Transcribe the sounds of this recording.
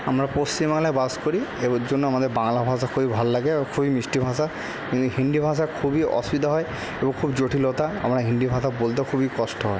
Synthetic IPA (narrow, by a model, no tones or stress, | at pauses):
amɾapost͡ɕimbaŋlabaskoɾied͡ʑonːoamad̪eɾbaŋlabʱãs̬akʰubibʱalɔlaɡekʰubimisʈibʱãsa | kint̪uɦind̪ibʱãs̬akʰubiʔɔ̰sbid̪aɦɔe | ebɔŋkʰubd͡ʑoʈʰilot̪aa̰mɾaɦinɖ̪ibʱãsabolt̪̬akʰubikɔsʈɔɦɔe